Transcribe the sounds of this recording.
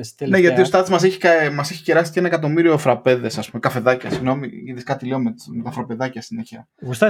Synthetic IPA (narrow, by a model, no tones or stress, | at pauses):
ne̞ʝɐt̪iost̪ɐðizmɐs̬eçi̥kɐmɐse̞çi̥ceɾɐsi̥cenɐekɐt̪o̞miɾio̞θɾɐpe̞ðe̞sɐspumekɐfe̞ðɐcɐsiɣno̞miiðeskɐt̪ileo̞memet̪ɐfɾɐpe̞ðɐcɐsineçɐ | ɣust̪ɐ